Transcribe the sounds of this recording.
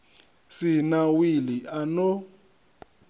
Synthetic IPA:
sinawiliʔano

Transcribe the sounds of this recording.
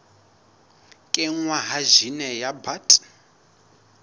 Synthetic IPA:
kʼɛŋwaɦaʒinɛjabatʼ

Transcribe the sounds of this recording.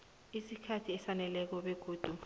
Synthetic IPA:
isikʰatʰiɛsanɛlɛk̬ɔɓeɡ̥ʱuːd̥ʱu

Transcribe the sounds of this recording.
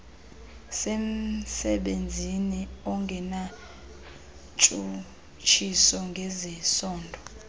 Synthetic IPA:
sem̩sɛɓend͡zʱiniɔŋɡʱɛna | t͡ʃʼu | t͡ʃʰisɔŋɡʱɛzɛsɔːndʱɔ

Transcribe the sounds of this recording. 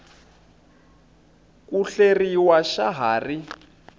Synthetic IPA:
kuɬeriwaʃaɦaːri

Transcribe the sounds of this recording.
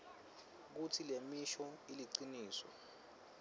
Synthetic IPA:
k̬utʰilemiʃɔiliǀiniːsɔ̰

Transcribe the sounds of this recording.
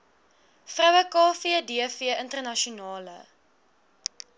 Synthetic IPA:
frœwəkɑːfiədiəfiəʔəntərnɐʃunɑːlə̰

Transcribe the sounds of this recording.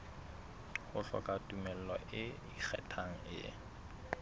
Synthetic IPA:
hʊɬɔ̰kʼatʼumɛl̩lɔʔɪ | ik͡xʰɛ̰tʰaŋ̩ɪ̰

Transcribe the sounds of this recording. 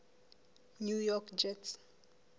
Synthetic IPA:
njujɔkd͡ʒɛt

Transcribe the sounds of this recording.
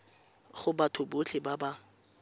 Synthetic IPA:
χʊbatʰʊbot͡ɬʰɪbaba

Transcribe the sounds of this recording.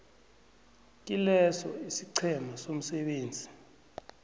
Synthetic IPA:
k̬ʼilɛsɔ̰isiǀʰɛmasom̩sɛɓeːnd͡zʱi

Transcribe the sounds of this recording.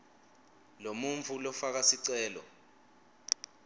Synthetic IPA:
lomuɱvulɔfak̬asiǀɛːlɔ̰

